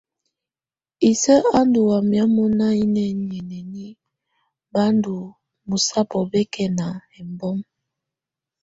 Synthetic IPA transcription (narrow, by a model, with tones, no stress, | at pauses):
i˨sə˦a˦ndu˨wa˨mja˦mɔ˦na˦i˦nɛ˨n˨ɛ˨nɛ˨ni˦ | ba˦ndu˨ | mu˨sa˦pɔ˨bɛ˦kʰɛ˨na˨ɛ˨mbɔ˦m